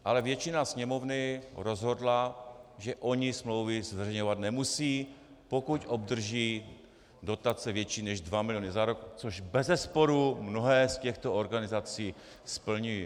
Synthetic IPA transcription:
ʔalɛvjɛt͡ʃɪnasɲɛmo̞vnɪɾo̞zɦo̞dlaʒɛʔo̞ɲɪsmlo̞wvɪzvɛrɛjɲovat̪nɛmusiː | pokucʔobd̪r̩ʒiː | do̞t̪at͡sɛvjɛt͡ʃiːnɛʒdvamɪlɪjonɪzaɾokt͡soʒbɛzɛspo̞ɾumno̞ɦɛːscɛxt̪ooɾɡanɪzat͡siː | spl̩ɲuji

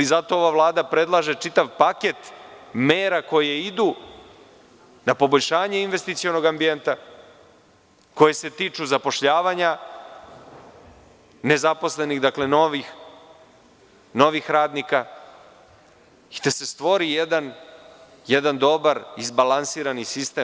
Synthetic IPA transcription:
izat̪o̞oʋavlˠaːd̪apɾe̞d̪lˠaːʒe̞t͡ʃit̪aʋpaket̪meːɾako̞jeid̪uː | napo̞boʎʲʃaːɲeinʋe̞st̪it̪sio̞no̞ɡambijent̪a | ko̞jese̞t̪iːt͡ʃuzapo̞ʃʎaːʋaɲa | ne̞zapo̞sle̞niɣd̪akle̞noʋix | no̞ʋixɾaːd̪nika | i̥t̪ese̞st̪ʋo̞ɾijed̪an | jed̪and̪o̞baɾizbalansiːɾanisist̪eːm

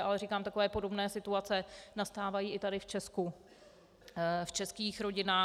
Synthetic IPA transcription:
ʔalɛɾiːkaːmt̪ako̞vɛːpo̞do̞bnɛːsɪt̪uat͡sɛnast̪aːvajiːɪt̪adɪft͡ʃɛsku | ft͡ʃɛskiːxɾo̞ɟɪnaː

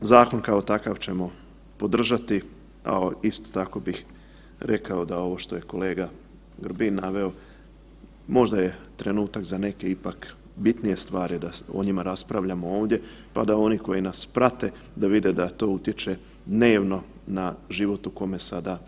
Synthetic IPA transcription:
zaːko̞nkao̞t̪akaʋt͡ɕe̞mo̞ | po̞d̪r̩ʒat̪i | a̰ist̪o̥t̪ako̞bix | ɾe̞kao̞d̪ao̞ʋo̞ʃt̪o̞je̞ko̞le̞ːɡa | ɡr̩binːaʋe̞o̞ | mo̞ʒd̪aje̞t̪ɾe̞nuːt̪akzane̞ke̞ipak | bit̪nije̞st̪ʋaːɾid̪ao̰ɲimaɾaspɾaʋʎamooːʋd̪je̞ | pa̰d̪ao̞niko̞jinaspɾat̪e̞ | d̪aʋid̪ed̪at̪o̞ːut̪je̞t͡ʃe̞ | d̪ne̞ːʋno̞ | naʒiʋo̞t̪uko̞me̞sad̪a

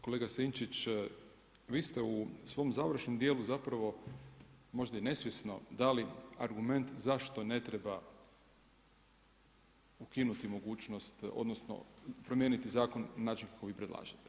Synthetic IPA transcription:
koleːɡasint͡ʃit͡ɕ | ʋiːst̪eusʋo̞mzaʋɾ̩ʃnomd̪jeːluzapɾaʋo̞ | mo̞ʒd̪aine̞sʋjesno̞d̪aliaɾɡume̞nt̪zaʃt̪o̞ne̞t̪ɾeba | ukinut̪imo̞ɡuːt͡ʃno̞st̪o̰d̪nosno̰pɾomjeːnit̪izaːko̞nnaːt͡ʃinkḁko̞ʋiːpɾe̞d̪lˠa̰ːʒet̪e̥

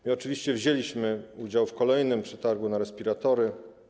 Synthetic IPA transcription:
mɘɔt͡ʂɘvʲiɕt͡ɕɛvʑelʲiɕmɘud͡ʑawfkɔlɛjnɘmpʂɛt̪aɾɡunaɾɛspʲiɾat̪ɔɾɘ

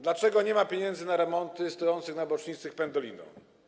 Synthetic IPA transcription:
d̪lat͡ʂɛɡɔɲɛmapʲjeɲɛnzɘnaɾɛmɔnt̪ɘst̪ɔjɔnt̪sɘxnabɔt͡ʂɲit̪sɘxpɛnd̪ɔlʲinɔ̰̃

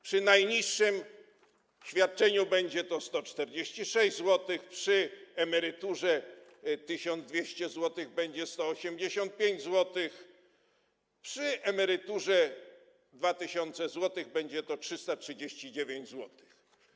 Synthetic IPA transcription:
pʂɨnajɲiʂːɘm | ɕfʲjat̪̚t͡ʂɛɲubɛɲd͡ʑɛt̪ɔst̪ɔt͡ʂt̪ɛɾd͡ʑeɕt͡ɕiʂɛʑzwɔt̪ɪxpʂɘɛmɛɾɘt̪uʐɛt̪ɘɕɔnzd̪vʲjeɕt͡ɕɛzwɔt̪ɘɣbɛɲd͡ʑɛst̪ɔːɕɛmd͡ʑeɕɔnt̪̚pʲjeɲd͡ʑzwɔt̪ɪx | pʂɘʔɛmɛɾɪt̪uʐɛ | d̪vat̪ɪɕɔnt̪sɛzwɔt̪ɘɣbɛɲd͡ʑɛt̪ɔtʂɘst̪atʂɨd͡ʑeɕt͡ɕid͡ʑevʲjeɲd͡ʑzwɔt̪ɪ̥x

